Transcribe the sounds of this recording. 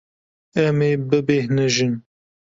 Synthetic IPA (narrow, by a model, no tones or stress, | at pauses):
ɛmeːbɨbeːhnɨʒɨn